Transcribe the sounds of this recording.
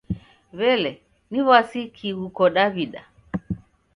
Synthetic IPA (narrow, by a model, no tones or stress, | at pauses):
βɛlɛ | niβasikʰiɣukɔɗaβiɗa